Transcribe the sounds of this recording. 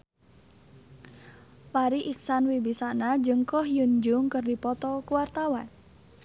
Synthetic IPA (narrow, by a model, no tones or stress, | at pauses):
paɾiʔik̚sanwibisaʔnad͡ʒəŋkɔhjund͡ʒʊŋkərdipɔt̪ɔkuwart̪awan